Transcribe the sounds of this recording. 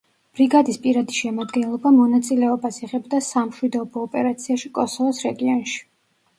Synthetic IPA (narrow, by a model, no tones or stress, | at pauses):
b̥ɾiɡad̪ispʼiɾad̪iʃɛmad̪ɡɛnlˠɔbamɔnat̪sʼilɛɔbasɛʁɛbd̪asamʃwid̪ɔbɔːpʼɛɾat̪sʰiaʃikʼɔsɔvɔsɾɛɡiɔnʃi̥